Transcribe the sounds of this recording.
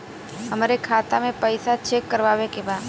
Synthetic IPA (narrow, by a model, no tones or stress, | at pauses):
ɦɐmːɾekʰaːt̪amẽpɐɪsat͡ʃʰekːəɾʋaːwekebaːd̪